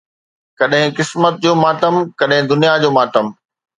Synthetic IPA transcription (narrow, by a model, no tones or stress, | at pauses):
kɐɗɦɪ̃kɪsmət̪̚d͡ʑoːmaːʈəmkɐɗɦɪ̃d̪ʊnijad͡ʑoːmaːʈəm